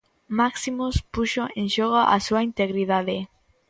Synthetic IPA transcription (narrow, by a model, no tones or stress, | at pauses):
maksimospuʃoẽŋʃɔɣaʔa̰suaint̪eɣɾiðaðe